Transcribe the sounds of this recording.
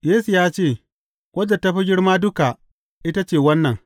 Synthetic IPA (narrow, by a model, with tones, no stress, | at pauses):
jeː˦su˨jaː˦t͡ʃeː˦˨ | kʷʼɐ˦d͡ʒɐ˨tɐ˦ɸi˦ɡʲɪ˦ɽmaː˦dʊ˦ka˨ʔ | ʔɪ˦ta˦t͡ʃeː˦˨wɐ˦nːɐ˨ŋ